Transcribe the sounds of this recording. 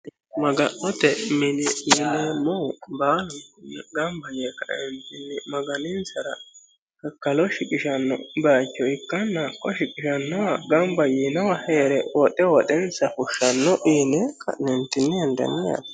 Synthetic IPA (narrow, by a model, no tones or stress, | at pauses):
mɐɡɐnːɔt̪ɛmɪnɛjɪnɛmɔbaːlʊntɪnɛɡɐmbɐjekɐʔɛnt̪ɪnːɪmɐɡɐnɪnsɐɾɐ̰ | kɐkːɐlɔʃɪkʼɪʃɐnːɔ̰baːt͡ʃːɔɪkːɐnːakːɔʃɪkʼɪʃɐnːɔwɐɡɐmbɐjinɔwɐheːɾɛwɔtːɛwɔtɛnsɐfʊʃːɐnːɔʔiːnɛkʰɐ̰ʔnɛnt̪ɪnːɪɛnd̪ɐ̰nːɪjɐ̰n